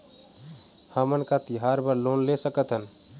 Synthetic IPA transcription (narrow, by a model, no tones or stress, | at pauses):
həmənkat̪iɦaɾbəɾlonlesəkət̪ɦən